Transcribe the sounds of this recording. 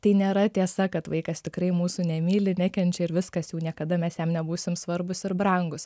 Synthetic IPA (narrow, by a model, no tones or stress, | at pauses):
t̪ɐɪnʲeːɾɐt̪ʲiɛsɐkɐt̪ʋɐɪkɐst̪ʲɪkɾɐɪmuːsunʲɛmʲiːlʲɪnʲɛkʲɛnʲt͡ʃʲɛɪɾʋʲɪskɐsjuːnʲiɛkɐd̪ɐmʲɛsjɛmnʲɛbuːsʲɪmsʋɐɾbʊsɪɾbɾɐŋɡʊs